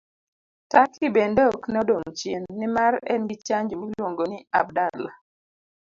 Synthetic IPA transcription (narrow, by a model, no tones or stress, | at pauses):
takibendoknɔdoŋt͡ʃenːɪmaɾɛ̰nɡit͡ʃaɲd͡ʒomilwoŋɡonɪa̰b̚dala